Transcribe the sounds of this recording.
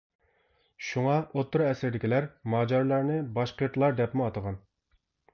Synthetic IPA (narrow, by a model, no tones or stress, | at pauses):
ʃuŋɑʔot̪ʰːʊɾɛsɪɾd̪ɪkʲilæɾmɑːd͡ʒɑɾlˠɑɾnɨbɑʃqʰeɾt̪ʰlˠɑɾd̪ɛpmuɑt̪əʁɑn